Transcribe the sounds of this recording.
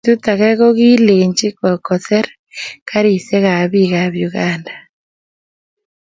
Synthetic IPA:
tu˦t̪a˨ɣɛ˦ɣo˦ɣi˦le˨ɲd͡ʒi˦kɔ˨kɔ˨θɛ˦ɾ | ka˦ɾi˨sɛ˦ɣa˨βi˦ɣa˨βju˨ɣaː˨nda

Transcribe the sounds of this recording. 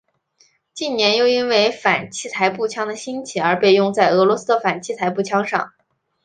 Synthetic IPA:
t͡ɕi˥˩nnjɛ˧˥njo˥˧ʊi˥nwe˥˩ɪfa˨˩nt͡ɕʰi˥˩t̪ʰa˧˥ɪpu˥˩t͡ɕʰjɑ˥ŋd̪ə˨ɕi˥nt͡ɕʰi˨˧˩ə˞˧˥pe˥˧ɪjʊ˥˧ŋt͡sa˥˩ɪɤ˧˥lwɔ˧˥s̩˥d̪ə˨fa˨˩nt͡ɕʰi˥˩t̪ʰa˧˥ɪpu˥˩t͡ɕʰjɑ˥ŋʂɑ̰˥˩ŋ

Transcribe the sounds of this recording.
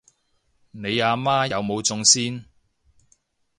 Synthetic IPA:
ne˨˧jaː˧maː˥jɐ˨˧wmo˨˧wt͡sʊ˧ŋsiː˥n

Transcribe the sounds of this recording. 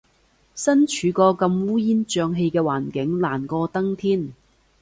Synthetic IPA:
sɐ˥nt͡ʃʰyː˨˧kɔː˧kɐ˧mwuː˥jiː˥nt͡ʃœː˧ŋɦe˧jkɛː˧waː˨˩nkɪ˨˥ŋlaː˨˩nkɔː˧t̪ɐ˥ŋt̪ʰiː˥n

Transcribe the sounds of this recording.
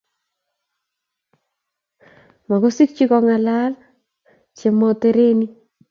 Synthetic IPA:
ma˨ko˦si˦k̚t͡ʃi˦kɔ˦ŋa˨la˦l | t͡ʃe˨mɔ˦te˦ɾe˦ni˦

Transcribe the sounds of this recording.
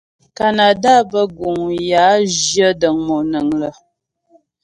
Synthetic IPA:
ka˨na˨da˦bə˦ɡu˨ŋja˨˦d͡ʒjə˦də˨ŋmo˨nə˨ŋlə˨

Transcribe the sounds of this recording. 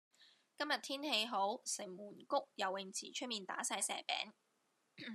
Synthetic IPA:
kɐ˥mjɐ˨t̪ʰiː˥nhe˧jɦo˨˥wsɪ˨˩ŋmuː˨˩nkʊ˥k̚jɐ˨˩wːɪ˨ŋt͡sʰḭː˨˩t͡ʃʰɵ˥t̚miː˨nt̪a̰ː˨˥saː˧jsɛ̰ː˨˩pɛ̰ː˨˥ŋ

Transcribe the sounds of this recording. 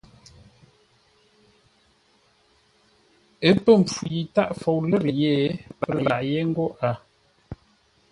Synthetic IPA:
ə˦pə˦˨m˨p͡fu˨ji˨ta˦ʔfo˨wlə˦˨ɾje˦pə˦la˨ʔje˦ŋ̩˦ɡɔ˦ʔa˨

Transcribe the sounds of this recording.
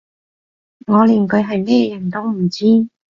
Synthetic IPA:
ŋɔː˨˧liː˨˩nkɵ˨˧ɥɦɐ˨jme˥jɛ˧jɐ˨˩nt̪o˥wm̩˨˩t͡siː˥

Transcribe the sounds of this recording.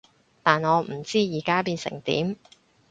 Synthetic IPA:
t̪aː˨nɔː˨˧m̩˨˩t͡siː˥jiː˨˩kaː˥piː˧nsɪ̰˨˩ŋt̪ḭː˨˥m

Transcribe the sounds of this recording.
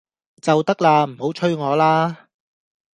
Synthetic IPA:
t͡sɐ˨wt̪ɐ˥k̚laː˧m̩˨˩ho˨˥wt͡ʃʰɵ˥ɥŋɔː˨˧laː˥

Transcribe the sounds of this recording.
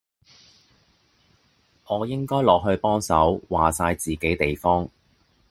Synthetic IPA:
ʔɔː˨˧jɪ˥ŋkɔː˥jlɔː˨k̚ɦɵ˧ɥpɔː˥ŋsɐ̰˨˥wwaː˨saː˧jt͡siː˨ke˨˥jt̪e˨jfɔː˥ŋ

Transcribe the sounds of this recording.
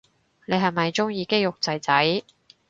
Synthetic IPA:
ne˨˧jɦɐ˨jmɐ˨jt͡sʊ˥ŋjiː˧ke˥jʊ˨k̚t͡sɐ˨˧jt͡sɐ˨˥j

